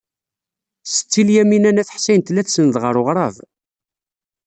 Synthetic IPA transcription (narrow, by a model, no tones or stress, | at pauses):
sə̥t͡sːiljæminænæθəħsæjnt̪læθsənðʁəɾˤʊʁɾˤɑv